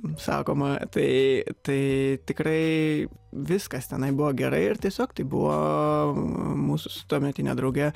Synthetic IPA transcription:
sɑ̰ːkoːmɐt̪ɐɪt̪ɐɪt̪ʲɪkrɐɪ | ʋʲɪskɐst̪ʲɛnɐɪbʊʋoːɡʲɛɾɐɪɪrt̪ʲiɛsʲoːkt̪ɐɪbʊʋo̰ː | muːsʊ̥sʊt̪oːmʲɛt̪ʲɪnʲɛ̰d̪ɾɐʊɡʲɛ

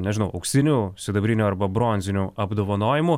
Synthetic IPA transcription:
nʲɛʒʲɪnɐʊʔɐʊkʲsʲɪnʲuːsʲɪd̪ɐbʲɾʲɪnʲuːɐɾbɐbɾoːnʲzʲɪnʲuɐbd̪oːʋɐnoːjɪmu

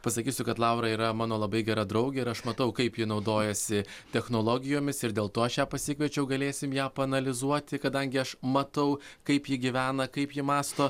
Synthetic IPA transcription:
pɐsɐkʲiːsʲʊkɐt̪lˠɑʊɾɐːiːɾɐmɑːnoːlˠɐbɐɪɡʲɛɾɐd̪ɾɐʊɡʲɛɪɾɐʃmɐt̪ɐʊkɐɪpjɪnɒʊd̪oːjɛsʲɪt̪ʲɛxnoːlˠoːɡʲɪjoːmʲɪsɪɾd̪ʲeːlˠt̪oːɐʃjæːpɐsʲɪkʋʲɛt͡ʃʲɛʊɡɐlʲeːsʲɪmjæːpɐɐnɐlʲɪzuɔt̪ʲɪkɐd̪ɐŋʲɡʲɪɐʃmɐt̪ɐʊkɐɪpjɪɡʲiʋʲæːnɐkɐɪpjɪmɑːst̪oː

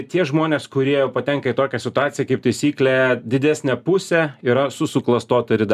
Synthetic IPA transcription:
t̪ʲiɛʒmoːnʲeːskʊɾʲiɛjɛʊpɐt̪ʲɛŋkɐɪt̪oːkʲɛsʲɪt̪ʊɑːt̪sʲɪjɛkɐɪp̚t̪ɐɪsʲiːklʲɛd̪ʲɪd̪ʲæːsʲnʲɛpʊsʲɛiːɾɐsʊsʊklˠɐst̪oːt̪ɐɾʲɪd̪

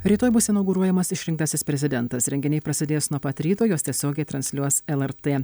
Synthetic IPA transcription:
ɾʲiːt̪oːjbʊsɪnɐʊɡʊːɾuɔjɛmɐsɪʃʲɾʲɪŋkt̪ɐsʲɪspʲɾʲɛzʲɪd̪ʲɛnt̪ɐsɾʲɛŋʲɡʲɪnʲɛɪpɾɐsʲɪd̪ʲeːjsnuɔpɐt̪ɾʲiːt̪oːjoːst̪ʲiɛsʲoːɡʲɛɪt̪ɾɐnʲsʲlʲuɔsɛlˠɛɾt̪eː

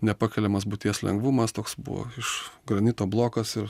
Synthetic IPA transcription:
nʲɛpɑːkʲɛlʲɛmɐsbʊt̪ʲiɛslʲɛ̰ŋɡʋuːmɐst̪oːksbṵʋo̰ɪʃɡɾɐnʲɪːt̪oːblˠoːkɐsɪɾ

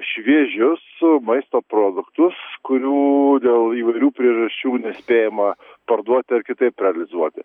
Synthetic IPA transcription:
ʃʲʋʲiɛʒʲʊsmɐɪst̪oːpɾoːd̪ʊkt̪ʊskʊɾʲuːd̪ʲeːlˠiːʋɐɪɾʲuːpʲɾʲiɛʒɐsʲt͡ʃʲuːnʲɛsʲpʲeːjɛmɐ | pɐrd̪uɔt̪ʲɪɐɾkʲɪt̪ɐɪpɾʲɛɐlʲɪzuɔt̪ʲɪ

